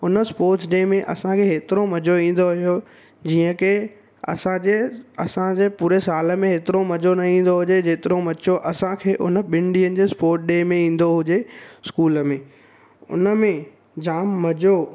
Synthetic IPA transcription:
ʊnəspoːɾʈsɗeːmẽʔɐ̰sãkʰeɦeːt̪ɪɾomɐd͡ʑoĩːn̆d̪oɦʊjo | d͡ʑiːə̃kʰe | ɐ̰sãd͡ʑeɐsãd͡ʑeːpuːɾesaːlə̆mẽɦeːt̪ɪɾomɐd͡ʑonɐĩːn̆d̪oɦʊd͡ʑed͡ʑeːt̪ɪɾomɐt͡ɕoʔɐsãkʰeːʔʊnə̆ɓɪ̃ɳɖiənɪ̆d͡ʑeːspoːɾʈ̚ʰɗeːmẽĩːn̆d̪oɦʊd͡ʑeskuːləmẽː | ʊ̰nəmẽ | d͡ʑaːmːɐd͡ʑo

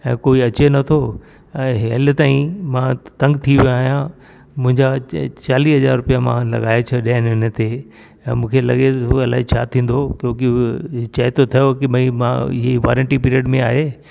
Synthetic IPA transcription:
ɛ̰̃ːkoːiɐt͡ɕenɐt̪ʰo | ɛ̃ːɦelt̪aːĩmãt̪ɐ̃ŋɡt̪ʰiʋjaːɦijã | mʊ̃ɦɪ̃ɲd͡ʑat͡ɕaːliːɦɐzaːɾɾʊpijamã̰lɐ̰ɠaːet͡ɕʰɐɗinʊn̆t̪e | ɛ̰̃ːmũːkʰelɐ̰ɠeoɐla̰ːɦet͡ɕʰat̪ʰĩːn̆d̪okjõːkɪt͡ɕɐɦɪt̪ʰot̪ʰɐjokɪɓɐĩmã̰ɪ̰ɦeiʋa̰ːɾə̃ɳʈip̬iːɾiəɖmẽaːɦe

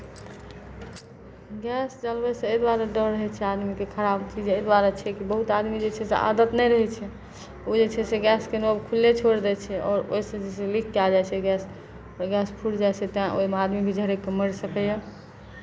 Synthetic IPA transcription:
ɡɛsd͡ʒəlbɛsẽed̪waɾaɖəɾːəɦɛt͡ʃʰɛad̪mikekʰəɾabt͡ʃʰid͡ʒejd̪waɾat͡ʃʰɛkibəɦut̪ad̪mid͡ʒet͡ʃʰɛsḛʔa̰d̪ət̪nɛjɾəɦɛt͡ʃʰɛ | od͡ʒet͡ʃʰɛseɡɛskenobkʰulːet͡ʃʰoɽd̪ɛt͡ʃʰɛɔːɾo̰isẽd͡ʒesẽlikʰːald͡ʒajt͡ʃʰɛɡɛs | ɔɾɡɛspʰuɽd͡ʒajt͡ʃʰɛt̪ãʔo̰imead̪miked͡ʒʱəɾekːeməɾsəkɛja

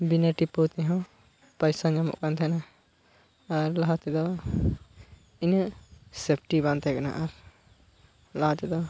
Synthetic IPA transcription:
binəʈipot̪ɛɦɔ̃ | pajsad͡ʒamɔ̰ʔkant̪ʰɛna | ɾlaɦat̪ɛd̪ɔ | inəsepʰʈibãnt̪ʰɛkana̰ʔaɾ | laɦat̪ɛd̪ɔ

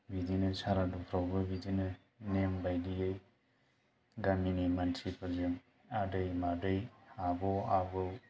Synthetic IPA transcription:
bidinɯsʰaɾadupʰɾawbɐbidinɯ | nembajdijɯj | ɡaminemantʰipʰɯzɯŋ | adɯjmadɯjabɔabɯw

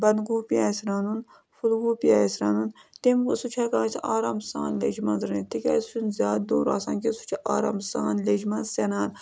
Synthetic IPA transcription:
bɐnɡupiaːsɾaːnun | fʰulɡuːpiaːjsɾaːnunt̪emkusut͡ʃʰɐkãːsʰʔaːɾaːmsa̰ːnled͡ʒmɐnzɾnit̪ikʲa̰ːsu̥t͡ʃʰunzʲaːd̪d̪oːɾa̰ːsaːnkesu̥t͡ʃʰiʔaːɾa̰ːmsaːnled͡ʒmɐnzsɐnaːn

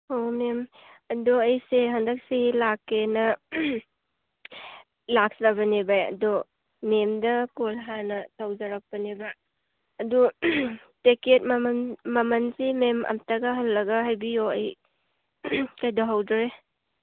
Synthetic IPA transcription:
homem | ɐdɔɐjseɦɐndɐk̚seilakːenɐ | lak̚sɾabɐnebajɐ̰dɔ | memdɐkolɦanɐtʰawzɐɾak̚pɐneba | ɐdu | teket̚mmɐmɐnsimemɐ̰mtɐɡɐɦɐlːɐɡɐɦajbijoɐj | kajdɔɦawdɔɾe

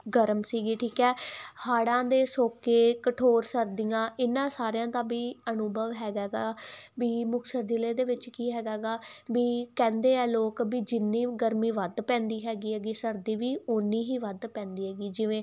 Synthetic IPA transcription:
ɡəɾəmsiːɡiːʈʰiːkɛːhaːɽãːd̪eːsoːkeːkəʈʰoːɾsəɾd̪ijãːʔɪnːãːsaːɾejãːt̪ãːbiːənʊbəʋɦɛːɡaːɡaːbiːmʊksəɾd͡ʒ̪ɪleːd̪eːʋɪt͡ʃkiːɦɛːɡaːɡaːbiːkɛ̃ːnd̪eːɛːloːkbiːd͡ʒɪnːĩːɡəɾmĩːʋəd̪pɛ̃ːnd̪iːɦɛːɡiːɦɛːɡiːsəɾd̪iːʋiːʊnːiːɦiːʋəd̪pɛ̃ːnd̪iːɦɛːɡiːd͡ʒɪʋẽː

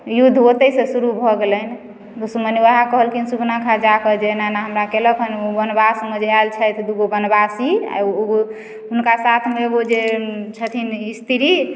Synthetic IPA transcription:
jud̪ʱːot̪əsesuɾubʱɔɡelən | t̪osuməniaɦakəɦəlkinsubnakʰad͡ʒakəd͡ʒenanaɦəmɾakeləkʰənobənbasməd͡ʒʱalt͡ʃʰɛjt̪ʰd̪uɡobənbasia̰o | ɦunkasat̪ʰmeod͡ʒet͡ʃʰət̪ʰinist̪ʰiɾi

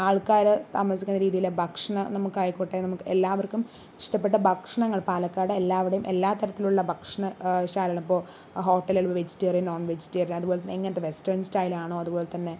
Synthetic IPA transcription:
aːɭkaːɾɨt̪aːmɐs̬ikʲːunːɐɾiːðijilebʱɐkʂɐɳɐnɐmukːaːjkːoʈːenɐmukːɨelːaːʋɐrkːum | iʂʈɐpːeʈːɐbʱɐkʂɐɳɐŋːɐɭpaːlɐkːaːɽɨelːaːʋiɽejumʔe̞lːaːt̪ɐɾɐt̪ːiluɭːɐbʱɐkʂɐɳɐɕaːlɐlɐmipːoː | ɦo̞ːʈːɐleɭpɐʋed͡ʑi̥tːɐɐrinoːnʋed͡ʑitːiɐriɐðubo̞ːlet̪ɐneiŋːɐnɐt̪ːeʋestɐrnstɐjlaːɳoːɐðubo̞ːlet̪ɐnːe̞

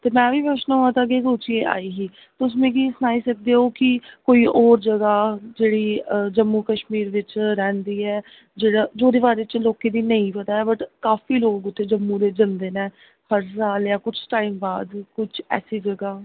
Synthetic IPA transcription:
t̪eːmɛ̃ːbiːpəʃnːõãːt̪aəɡeːsoːt͡ʃiẽːʔa̰ːiːɦiː | t̪ːʊs̬mẽːkiːsənaːiːsək̚d̪eːɦoːkɪkoːiːʔɔːɾd͡ʒəɡaːd͡ʒeːɽiːd͡ʒəmːũːkəʃmiːɾʋɪt͡ʃɾɛ̃ːnd̪iːɛː | d͡ʒeːɽaːd͡ʒoːd̪eːʋaːɾeːt͡ʃloːkeːd̪iːnəĩpət̪aːɛːbəʈkaːfiːloːkʊt̪ʰːeːd͡ʒəmːũːd̪eːd͡ʒənd̪eːneː | həɾs̬aːljaːkʊt͡ʃʰʈaːiːmbaːd̪kʊt͡ʃʰɛ̰ːsiːd͡ʒəɡaː

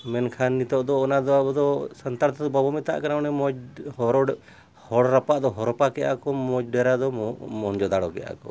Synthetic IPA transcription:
mɛnkʰanːit̪ɔʔd̪ɔːnad̪ɔabɔd̪ɔsənt̪aɾt̪ʰɔd̪ɔbɔbɔmɛt̪a̰ʔkanaɔnɛmɔd͡ʒhɔɾɔɖ | hɔɽɾapaʔd̪ɔɦɔɾɔpakɛʔa̰kɔmɔd͡ʒɖɛɾad̪ɔmɔnd͡ʒɔd̪aɽɔkɛja̰kɔ̰

